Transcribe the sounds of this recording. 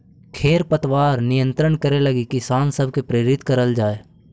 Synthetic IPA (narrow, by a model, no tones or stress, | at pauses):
kʰeːɾpət̪waːɾnɪjə̃nt̪ɾəɳkəɾelɐɡikɪsaːnsəbʱkepɾeːɾɪt̪kəɾəld͡ʒaːeː